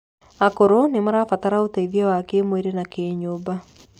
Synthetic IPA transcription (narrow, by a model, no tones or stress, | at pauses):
akoɾonemaɾafataɾaotaiðiawakemweɾenakeːɲoba